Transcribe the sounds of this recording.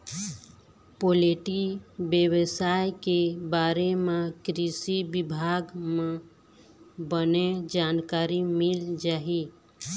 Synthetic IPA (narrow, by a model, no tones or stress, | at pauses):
poleʈibjəwəsajkebaɾemekɾisibibʱaɡme | bəned͡ʒankaɾimild͡ʒaːi